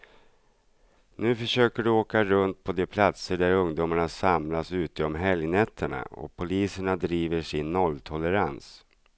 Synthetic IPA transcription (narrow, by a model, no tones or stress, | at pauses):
nʉ̟ːfœʂøːkəɖɵoːkaɾɵnt̪̚pʰɔd̪ɛpʰlat̪səɖæɾɵŋd̪uːmaɳasamlasʉ̟ːt̪əɔmɦɛljnɛt̪ʰːəɳa̰ɔ̰pʰʊliːsəɳad̪ɾiːvəʂɪnːɔlːt̪ʰɔləɾa̰ns